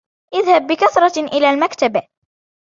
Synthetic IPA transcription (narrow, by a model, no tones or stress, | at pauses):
ʔɪðhab̚ːɪkaθɾˤɑʔɪlaːlmakt̪ab